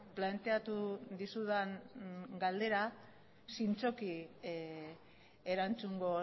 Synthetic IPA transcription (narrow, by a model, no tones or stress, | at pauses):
plant̪e̞at̪uðisuðaŋɡald̪e̞ɾa | sint͡so̞ki | eɾant͡suŋɡo̞